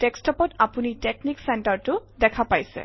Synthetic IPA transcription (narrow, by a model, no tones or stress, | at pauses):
tekstɔpɔtapunitekniksɛntaɹtʊdɛkʰapajsɛ̰